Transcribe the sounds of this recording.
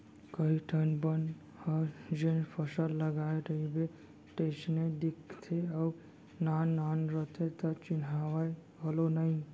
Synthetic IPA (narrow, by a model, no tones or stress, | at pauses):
kəiʈʰənbən | həd͡ʒenpʰəsəlːəɡaeɾəibe | ʈesned̪ikʰt̪ʰeau | nanːanɾəɦt̪ʰet̪ət͡ʃɪnɦawaj | ɦəlonəi